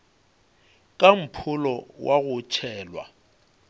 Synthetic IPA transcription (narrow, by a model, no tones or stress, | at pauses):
kʼam̩pʰʊlɔwʔaɣʊt͡ʃʰɛːlwa̰